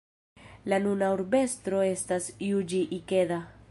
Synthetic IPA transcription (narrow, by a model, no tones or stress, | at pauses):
lanunauɾbe̞stɾo̞e̞stasjud͡ʒiʔike̞da